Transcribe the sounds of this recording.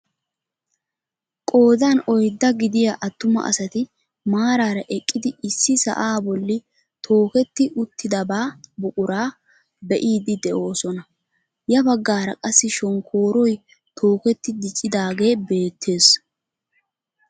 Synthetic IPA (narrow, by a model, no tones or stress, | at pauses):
kʼo̞ːd̪anɔjd̪ːɐɡɪd̪ɪjaʔɐt̪ːʊmɐ̰ʔɐ̰sɐt̪ɪ | maːɾaːɾɐʔɛkʼːɪd̪ɪɪsːɪsɐ̰ʔaːbɔlːɪ | t̪ʰo̞ːkɛt̪ːɪʔʊt̪ːɪd̪ɐbaːbʊkʼʊɾaː | bɛʔiːd̪ɪd̪ɛʔo̞ːsɔnɐ | jɐbɐɡːaːɾɐkʼɐsːɪʃɔŋkʰo̞ːɾɔj | t̪ʰo̞ːkɛt̪ːɪd̪ɪt͡ʃʼːɪd̪aːɡe̞ːbe̞ːt̪ʰːe̞ːs